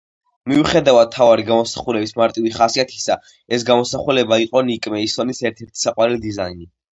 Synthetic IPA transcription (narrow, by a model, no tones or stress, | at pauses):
miuχɛd̪avad̪̚t̪ʰːavaɾiɡamɔsḁχulɛbismaɾt̪ʼiviχasiat̪ʰi̥sa | ɛs̬ɡamɔsaχulɛbaiqʼɔnikʼmɛisɔnisɛɾt̪ʰɛɾt̪ʰi̥saqʼwaɾɛlid̪izaini